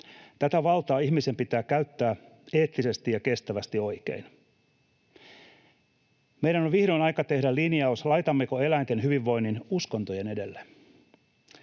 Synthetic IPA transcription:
t̪æt̪æʋɑlt̪ɑːiçmise̞mpit̪æːkæyt̪ːæː | eːt̪lːise̞st̪ijɑke̞st̪æʋæst̪io̞jkḛin | mejɾæno̞ʋʋihɾo̞jnɑjkɑt̪e̞hdælːiniɑoslɑjt̪ɑmːekoe̞læint̪e̞nɦyʋiʋːo̞inːinusko̞nt̪oje̞ne̞de̞lːe

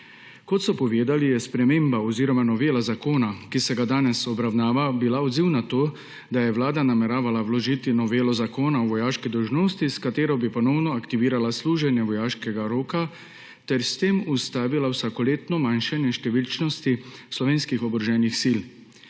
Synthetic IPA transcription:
kɔt̪sɔpɔʋeːd̪alijɛspɾɛmeːmbaɔziːɾɔmanɔʋeːlazakoːnakisɛɡad̪aːnɛsɔbɾawnaːʋabilaɔd̪ziwnat̪oː | d̪ajɛwlaːd̪anamɛɾaːʋalawlɔʒit̪inɔʋeːlɔzakoːnaɔʋɔjaːʃkid̪ɔwʒnoːst̪iskat̪eːɾɔbipɔnɔwnɔakt̪iʋiːɾalasluːʒɛnjɛʋɔjaːʃkɛɡaɾoːka | t̪ɛɾst̪eːmust̪aːʋilawsakɔleːt̪nɔmanʃanjɛʃt̪ɛʋilt͡ʃnɔst̪islɔʋeːnskixɔbɾɔʒɛːnixsil

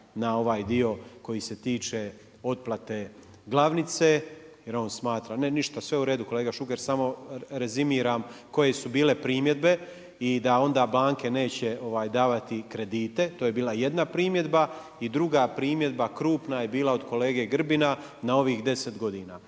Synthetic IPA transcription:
nao̞ʋaːjd̪io̞ko̞jiːse̞t̪iːt͡ʃe | o̞t̪̚plˠat̪e̞ | ɡlˠaʋnit̪se̞jeɾo̞ːnsmaːt̪ɾaneniʃt̪asʋe̞uɾe̞ːd̪uko̞le̞ːɡaʃuke̞ɾsamo̞ɾe̞zimiːɾamko̞je̞subiːle̞pɾiːmje̞d̪be̞ | id̪ao̞nd̪aːblaːŋke̞ne̞ːt͡ɕe̞o̞ʋaːjd̪aːʋat̪ikɾe̞d̪iːt̪e̞t̪oːje̞biːlˠaje̞d̪napɾiːmje̞d̪ba | id̪ɾuɡapɾiːmje̞d̪bakɾuːpnajebiːlˠao̞d̪ko̞le̞ːɡe̞ɡr̩bina | nao̞ʋiːxd̪e̞se̞t̪ɡo̞d̪iːnaː

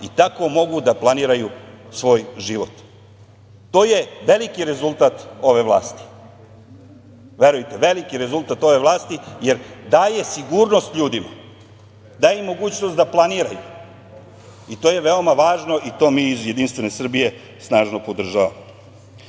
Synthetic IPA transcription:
it̪ako̞mo̞ɡud̪aplˠaniːɾajusʋo̞ːjʒiʋo̞t̪ː | o̞ːje̞ʋe̞likiɾe̞zulˠt̪at̪o̞ʋe̞ʋlˠa̰ːst̪i̥ | ʋe̞ɾujt̪eʋe̞likiɾe̞zulˠt̪at̪o̞ʋe̞ʋlˠaːst̪ijeɾd̪aːje̞siɡuːɾno̞st̪ʎʲuːd̪ima̰ | d̪aːjemo̞ɡuːt͡ɕnost̪d̪aplˠaniːɾaju | it̪oje̞ʋeomaʋaːʒno̞ʔit̪o̞ːmiːizje̞d̪inst̪ʋe̞nesr̩bije̞ | snaːʒno̞pod̪r̩ʒaʋa̰mo

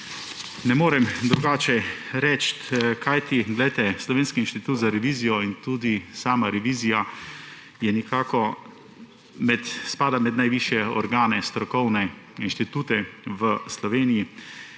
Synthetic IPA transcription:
nɛmoːɾɛmd̪ɾuɡaːt͡ʃɛɾɛt͡ʃt̪kʰajt̪iɡlɛjt̪ɛslɔʋeːnskiinʃt̪it̪uːt̪zaɾɛʋiːzijɔint̪uːd̪isaːmaɾɛʋiːzija | jɛnikaːkɔ | mɛt̪spaːd̪amɛd̪najʋiʃjɛɔɾɡaːnɛst̪ɾɔkɔwnɛinʃt̪it̪uːt̪ɛʋəslɔʋeːniji

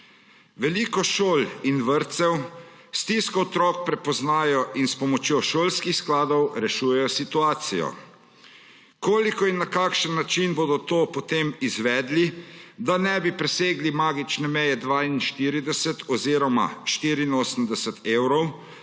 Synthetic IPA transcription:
ʋɛliːkɔʃoːlinʋəɾt̪sɛw | st̪iskɔɔt̪ɾɔːk̚pɾɛpɔznaːjɔʔinspɔmɔt͡ʃjoːʃoːlskixsklaːd̪ɔwɾɛʃuːjɛjɔsit̪uaːt̪sijɔ̰ | koːlikɔinːakaːkʃənːat͡ʃinboːd̪ɔt̪oːpɔt̪eːmizʋɛːd̪lid̪anɛbipɾɛseːɡlimaːɡit͡ʃnɛmɛjɛd̪ʋaːinʃt̪iːɾid̪ɛsɛt̪ɔziːɾɔma̰ʃt̪iːɾiːnoːsəmd̪ɛsɛt̪eːwɾɔw

